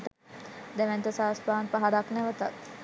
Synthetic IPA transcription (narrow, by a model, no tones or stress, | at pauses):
t̪ | d̪ɛʋɛnt̪əsaːspaːnpaɦaɾaknæʋət̪at̪̚